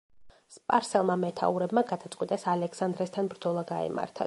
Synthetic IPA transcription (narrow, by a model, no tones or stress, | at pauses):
spʼaɾsɛlˠmamɛt̪ʰa̰uɾɛbmaɡad̪at̪sʼqʼwit̪ʼasalɛksand̪ɾɛst̪ʰanbɾd̪zɔlˠaɡaɛ̰ma̰ɾt̪ʰa̰